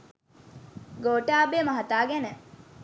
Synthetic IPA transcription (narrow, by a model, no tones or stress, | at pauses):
ɡoːʈaːbemɐɦɐt̪aːɡænə